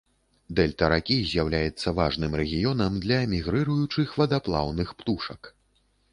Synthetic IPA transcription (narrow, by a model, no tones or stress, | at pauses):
d̪ɛlʲt̪ɐɾakʲizʲjawlʲajɛt̪sːɐvaʐnɨmɾɛɣʲijɔnɐmd̪lʲɐɛmʲiɣɾɨɾujut͡ʂɨxvɐd̪aplˠa̰wnɨxpt̪uʂɐk